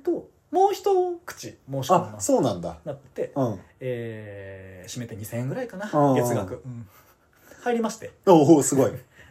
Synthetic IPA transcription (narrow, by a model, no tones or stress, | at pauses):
t̪o | moːçi̥t̪o̞kɯ̟̥t͡ɕimoːɕamaso̞ːnãnd̪a̰nat̪ːet̪e̞ɯ̃eː | ɕime̞t̪eɲ̟isẽ̞ŋɡɯ̟ɾaikanãɡe̞t͡sɨɡakɯ̟ɯ̟̃ɴ | haiɾʲimaɕi̥t̪e̞oːɦoːsɨɡo̞i